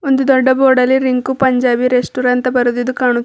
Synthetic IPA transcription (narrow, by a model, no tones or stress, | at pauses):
ond̪ud̪ɔɖːɐboːɖɐlːiɾiŋkupɐɲd͡ʒaːbiɾesʈuɾɐnt̪ɐbɐɾud̪id̪ukaːɳu